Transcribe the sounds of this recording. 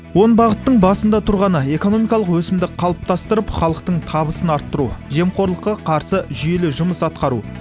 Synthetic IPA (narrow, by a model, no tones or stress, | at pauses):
wo̞nbɑʁət̪ːəɴbɑsənd̪ɑt̪ʰʊɾʁɑnəe̞ko̞no̞mijkɑlˠəqwɵsɪmd̪ɪqʰɑlˠəp̚t̪ʰɑst̪əɾəpχɑlˠəq̚t̪əɴt̪ʰɑβəsənɑɾt̪ːəɾuʒe̞mqo̞ɾlˠəqːɑqʰɑɾsəʒʏje̞lɪʒʊməsɑt̪qɑɾu